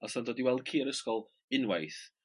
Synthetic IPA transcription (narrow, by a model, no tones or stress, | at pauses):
ɔsandoːdiwɛlˠd̥̚kʰiːaɾəskɔlˠ | ɪnwajθ